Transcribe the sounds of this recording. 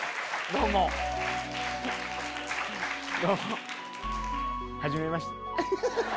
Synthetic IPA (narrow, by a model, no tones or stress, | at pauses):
d̪oːmo | d̪oːmo | haʑime̞maɕi̥t̪ḁ